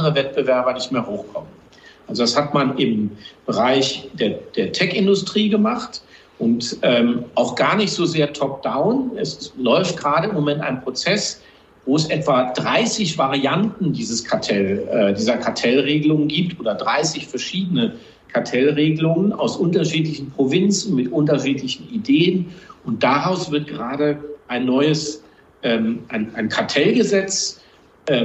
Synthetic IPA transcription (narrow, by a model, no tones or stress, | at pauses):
adəʁəvɛt̚b̥əvɛɐbɐnɪçtmeːɐhoːkʰɔmən | ʔalzodashatmanɪmb̥əʁaɪçd̥eːɐd̥eːɐtʰɛkɪndʊstʁ̥iːɡəmaχt | ʔʊntʔɛːmʔaʊxɡ̥aːɐnɪçtz̥oːzeːɐtʰɔp̚d̥aʊnɛslɔʏftɡ̥əʁaːɾəɪmːomɛnta̰ɪnpʁ̥ot͡sɛs | voːɛsʔɛtv̥adʁaɪsɪçv̥aʁiantn̩diːzəskʰaɐtʰɛlɛːdiːzɐkʰaɐtʰɛlʁeːɡəlʊŋənɡiːp̚tʔoːdɐdʁaɪsɪçfɛɐʃiːdənə | kʰaɐtʰɛlʁeːɡəlʊŋəna̰ʊsʔʊntɐʃiːtlɪçn̩pʁ̥ovɪnt͡sn̩mɪtʔʊntɐʃiːtlɪçn̩ideːənʊnt̚d̥aʁaʊsv̥ɪɐt̚ɡ̥əʁaːdəʔaɪnːɔʏəs | ʔɛːmʔaɪnʔaɪnkʰaɐtʰɛlɡəzɛt͡s | ʔɛ